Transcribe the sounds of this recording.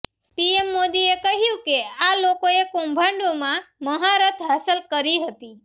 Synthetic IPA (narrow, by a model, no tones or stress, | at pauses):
piemːod̪iekəɦjũkealokoekõmbʱãɳɖomãməɦaɾət̪ʰɦasəlkəɾiɦət̪i